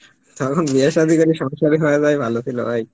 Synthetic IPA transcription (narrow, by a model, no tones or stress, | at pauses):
t̪ɔkʰonbiaʃad̪ʱikoɾiʃɔŋʃaɾiɦoead͡ʑajbʱalot̪ʰilo̰aj